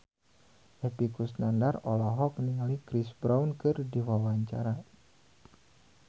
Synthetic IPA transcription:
ʔepikusnandarɔlɔɦɔk̚niŋalikɾisbɾawnkɨrdiwawaɲt͡ʃa̰ɾa

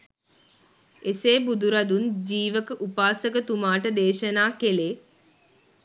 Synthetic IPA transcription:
eseːbud̪uɾad̪und͡ʒiːʋəkəʔupaːsəkət̪umaːʈəd̪eːʃənaːkeleː

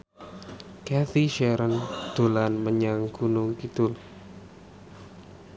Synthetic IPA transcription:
kɛθiʃɛɾənd̪̥o̤lanməɲaŋɡ̥unʊŋkit̪ʊl

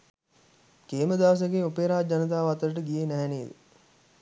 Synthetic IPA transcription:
keːməd̪aʋəs̬əɡeupeːɾaːd͡ʒanət̪̬aːʋat̪əɾəʈəɡijenæɦɛneːd̪ə

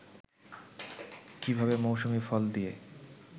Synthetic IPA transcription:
kibʱabemowʃumifɔld̪ije

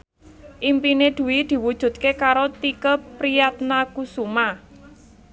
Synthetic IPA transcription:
ʔimpined̪̥ṳwid̪̥i̤wud̥ʒ̥ṳt̪̚kekaɾot̪ikəpɾijat̪nakusuma

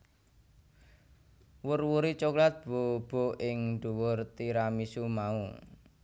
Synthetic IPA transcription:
wʊrwuɾit͡ʃɔklat̪̚b̥o̤b̥o̤ʔɪŋɖ̪̥uwʊrt̪iɾamisumau

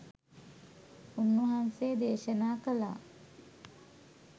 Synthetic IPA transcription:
unːuɦanseːd̪eːʃənaːkəla̰ː

